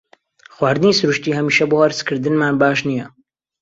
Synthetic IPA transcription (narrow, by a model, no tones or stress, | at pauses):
χwaːɾd̪ɨniːsʊɾuʃt̪iːhɐmiʃɐboːhɐɾskʰɨɾd̪ɨnmaːnbaːʃnijɐ